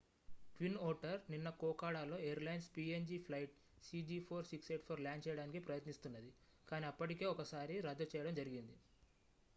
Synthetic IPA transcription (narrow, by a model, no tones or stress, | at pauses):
ʈʋinɔːɾʈɐɾninːɐkɔːkaːɽaːlo̞ːejɐɾlɐjnspiːend͡ʒiːpʰlɐjʈ̚ | siːd͡ʒiːpʰoːɾsikseːʈpʰoːɾljaːnt͡ʃɛːjɐɽaːnikipɾɐjɐt̪nist̪unːɐd̪i | kaːniɐpːɐʈike̞ːɔkɐsaːɾiɾɐd̪ːɐt͡ʃɛːjɐɽɐmd͡ʒɐɾiɡind̪i